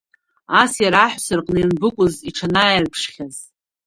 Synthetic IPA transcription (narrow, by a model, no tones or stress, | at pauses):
asjaɾaħʷsɨrqʼnanbɨkʷʼʊziʈ͡ʂʰanajrpʰʂχʲaz